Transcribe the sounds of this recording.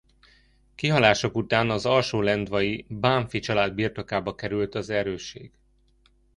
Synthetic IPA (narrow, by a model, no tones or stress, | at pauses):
kiɦɒlaːʃo̞kut̪aːnɒzɒlʃoːlɛnd̪ʋɒjibaːɱfit͡ʃɒlaːd̪̚birt̪o̞kaːbɒkɛɾylt̪ɒzɛɾøːʃːḛːɡ̥